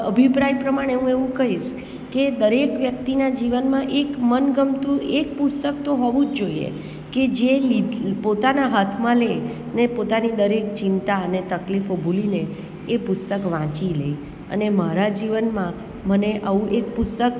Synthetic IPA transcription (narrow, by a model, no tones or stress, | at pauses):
əbʱipɾajpɾəmaɽ̃eɦũeʋũkəɦiʃ | ked̪əɾekʋjək̚t̪inad͡ʒiʋənmãʔekmənɡəmt̪ũʔek̚pʊst̪ək̚t̪oɦɔʋũd͡ʒd͡ʒoiḛ | ked͡ʒelipot̪anaɦat̪ʰmãle | nepot̪anid̪əɾek̚t͡ʃɪnt̪aənet̪əklifobʱulineː | pʊst̪əkʋãt͡ʃilḛi | ə̰nemaɾad͡ʒiʋənmã | məneʔəʋũʔek̚pʊst̪ək